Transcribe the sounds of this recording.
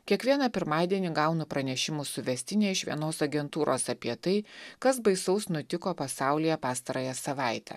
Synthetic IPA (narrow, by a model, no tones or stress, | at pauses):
kʲiɛkʋʲiɛnɐpʲɪɾmɑːd̪ʲiɛnʲiɡɑʊnʊpɾɐnʲɛʃʲɪmʊsʊʋʲɛsʲt̪ʲɪnʲeːɪʃʋʲḭɛnoːsɐɡʲɛnt̪uːɾʔoːsɐpʲiɛt̪ɐɪkɐsbɐɪsɐʊsnʊt̪ʲɪkoːpɐsɑˑʊlʲijɛpɑːst̪ɐɾɐːjɛsɐʋɑˑɪt̪ʲɛ̰